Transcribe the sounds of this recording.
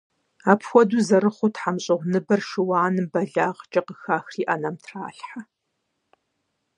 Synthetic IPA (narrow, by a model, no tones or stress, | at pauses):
aːpʰxʷɔduːzɐɾɨχʷʊtħamɕʼɪʁʷnɨbɐrʃɨwaːnɨbɐɮaːʁt͡ʃʼɐqəxaːxriːʔɐnɐmtʰra̰ːɬħa